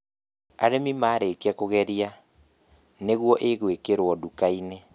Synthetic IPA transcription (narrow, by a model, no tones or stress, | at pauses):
aɾemimaːɾekeɛkoɣɛɾia | neɣwɔʔeɣwekeɾwɔdukaine